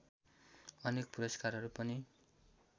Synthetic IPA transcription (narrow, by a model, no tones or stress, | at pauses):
ʌnek̚puɾʌskarɦʌɾupʌni